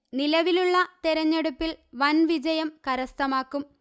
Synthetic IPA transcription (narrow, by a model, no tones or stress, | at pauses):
nilɐʋiluɭːɐt̪eɾɐɲːeɽupːilʋɐnʋid͡ʑɐjɐmkɐɾɐst̪ɐmaːkːum